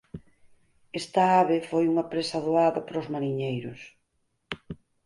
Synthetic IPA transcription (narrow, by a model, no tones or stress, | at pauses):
est̪ɐaβɪfojuŋɐpɾesɐðoaðɐpɾozmaɾiɲejɾʊs